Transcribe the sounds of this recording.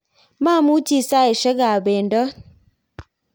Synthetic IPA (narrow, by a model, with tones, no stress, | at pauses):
ma˦˨mu˦ti˦sa˦e˨ʃɛ˦ɡa˨bɛ˨ndɔ˦